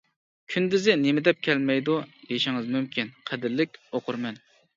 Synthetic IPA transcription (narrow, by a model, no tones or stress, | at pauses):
kʲʰynd̪ɪzɪnemɪd̪ɛp̚kʲʰɛlmɛjd̪ud̪eʃɪŋɨzmymkʲʰinqʰæd̪ɪɾlɪk̚ʲoqʰʊɾmɛn